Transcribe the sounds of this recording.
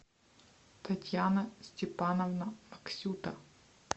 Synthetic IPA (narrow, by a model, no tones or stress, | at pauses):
t̪ɐtʲjanɐsʲtʲɪpanɔvnɐmɐksʲut̪ɐ